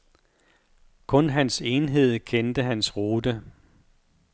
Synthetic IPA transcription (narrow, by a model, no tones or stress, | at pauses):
kʰɔ̽nɦænse̝ːnɦe̝ð̞̰ˠkʰend̥əɦænsʁuːd̥ə